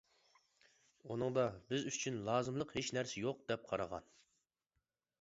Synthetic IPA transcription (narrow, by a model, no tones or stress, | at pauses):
unɨŋd̪ɑbɪzyt͡ʃʰynlˠɑːzɨmlˠəqhet͡ʃnæɾsɪjoq̚d̪ɛp̚qʰɑɾɑʁɑ̰n